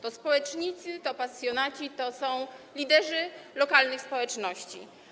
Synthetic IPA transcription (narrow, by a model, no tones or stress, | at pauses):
t̪ɔspɔwɛt͡ʂɲit̪sɘt̪ɔpasjɔnat͡ɕit̪ɔsɔ̃w̃lʲid̪ɛʐɘlɔkalnɘxspɔwɛt͡ʂnɔɕt͡ɕḭ